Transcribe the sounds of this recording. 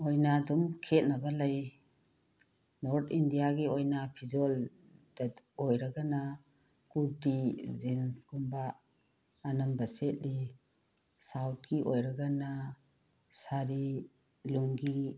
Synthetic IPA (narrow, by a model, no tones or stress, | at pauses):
ojnadumkʰet̚nɐbɐlɐj | nɔɾt̪ʰindijaɡiojnapʰizol | dɐ | ojɾɐɡana | kuɾdizinsɡumbaː | nɐmbɐsetli | sawt̚ɡiʔojɾɐɡana | saɾi | luŋɡi